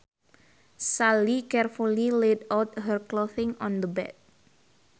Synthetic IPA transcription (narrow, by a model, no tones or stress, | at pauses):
salikɛrfuliledawt̪̚hərkloθɪ̃ŋɔ̃nd̪əbɛ̰d̚